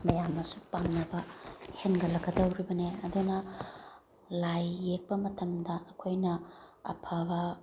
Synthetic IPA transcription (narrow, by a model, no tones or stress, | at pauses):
mɐjamːɐsupaŋnɐbɐhenɡɐlɐkɡɐdɐwɾibɐneɐdunɐ | lajːek̚pɐmɐtʰɐmdɐɐkʰojnɐɐ̰pʰɐbɐ